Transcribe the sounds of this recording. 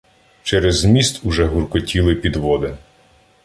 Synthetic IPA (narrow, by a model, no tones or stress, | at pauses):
t͡ʃɛɾɛzmʲist̪uʒɛɦurkɔtʲilˠɪpʲid̪ʋɔd̪ɐ